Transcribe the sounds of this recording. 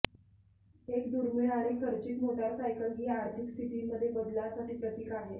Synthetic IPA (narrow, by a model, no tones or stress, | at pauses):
ekd̪uɾmiɭaɾikəɾt͡ɕikmoɖalsajkəlɦiːaɾt̪ʰikst̪ʰit̪iːməd̪ʱːjebəd̪ljasaʈiːpɾət̪iːkaɦe